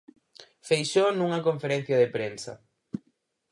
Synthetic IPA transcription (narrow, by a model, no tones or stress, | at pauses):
fejʃonũŋɐkõɱfeɾẽn̟θjɐðepɾensɐ̰